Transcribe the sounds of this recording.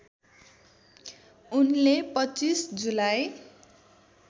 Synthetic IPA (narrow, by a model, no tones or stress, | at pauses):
unlepʌt͡sisd͡zulaj